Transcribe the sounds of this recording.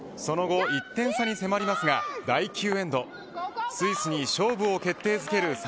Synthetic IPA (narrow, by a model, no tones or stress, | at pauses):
so̞no̞ɡo̞it̪ːẽ̞ɰ̃saɲ̟ise̞maɾʲimasɨɡad̪aikʲɨːẽ̞nd̪o̞ | sɨisɨɲ̟iɕo̞ːbɯ̟o̞ke̞t̪ːe̞ːzɨke̞ɾɯ̟s